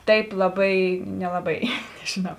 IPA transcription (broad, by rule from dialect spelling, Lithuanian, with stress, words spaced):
ˈtɐɪp lˠɐˈbɐɪ nʲɛlˠɐˈbɐɪ nʲɛʒʲɪˈnɐʊ